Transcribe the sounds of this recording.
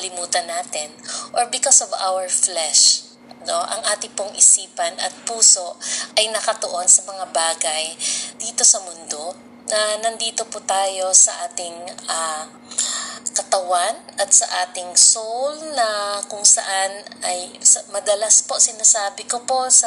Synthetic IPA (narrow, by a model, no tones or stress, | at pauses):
ɐlɪmuːt̪ɐnːaːt̪ɪnʔoɹbɪkosova̰wɛɹflɛʃ | noʔɐ̰ŋʔaːt̪ɪpoŋʔɪsiːpɐnɐ̰t̪̚puːso̞ʔɐjnɐkɐt̪oʔo̞nsɐmɐŋabaːɡɐjd̪̥iːt̪o̞sɐmʊnd̪o̞ | nɐnɐnd̪iːt̪o̞pʊt̪aːjo̞sɐʔaːt̪ɪŋʔa | kɐt̪ɐwanʔɐt̪̚sɐʔaːt̪ɪŋsowlnɐkʊŋsɐ̰ʔanɐjsɐmɐd̪ɐlaspo̞sɪnasaːbɪkopo̞sɐ